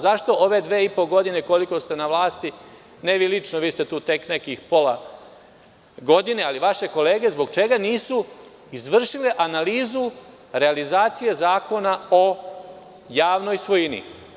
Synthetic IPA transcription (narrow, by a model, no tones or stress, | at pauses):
zaʃt̪o̞ʔoʋe̞d̪ʋeːipo̞ɡo̞d̪ine̞ko̞liko̞st̪e̞naʋlaːst̪i | neʋilit͡ʃnoʋiːst̪e̞t̪uːt̪e̞kne̞kixpo̞la | ɡo̞d̪ine̞aliʋaʃe̞ko̞le̞ːɡe̞zbo̞ɡ̚t͡ʃe̞ɡaniːsu | izʋr̩ʃileʔanaliːzu | ɾe̞alizaːt̪sije̞zaːko̞nao̞ | jaːʋno̞jsʋo̞jinḭ